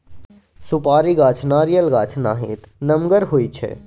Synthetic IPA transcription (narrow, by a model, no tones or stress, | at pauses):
sʊpaːɾiɡaːt͡ʃʰnaːɾijəlɡaːt͡ʃʰnaːɦĩːt̪nɐmɡəɾɦoːit͡ʃʰɛ̰ː